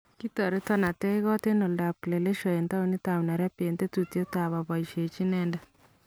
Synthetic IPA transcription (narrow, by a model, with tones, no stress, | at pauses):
ki˦tɔ˨ɾe˦tɔ˦na˨te˦ɣɔ˦te˦no˨lda˨ple˨le˦ʃɔ˨e˨nta˦u˨ni˦ta˨wna˨ɾɛ˦pe˨nt̪e˦tu˨tjo˦ta˨βa˨βa˨i˨ʃe˨t͡ʃi˦nɛ˦ndɛ˦